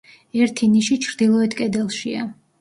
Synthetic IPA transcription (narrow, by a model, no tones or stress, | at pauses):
ɛɾt̪ʰiniʃit͡ʃʰɾd̪ilˠɔɛt̪ʰkʼɛd̪ɛlˠʃia̰